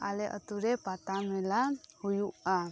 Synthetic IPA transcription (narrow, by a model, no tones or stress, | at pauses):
a̰leʔə̰t̪uɾepat̪amɛlahujuʔa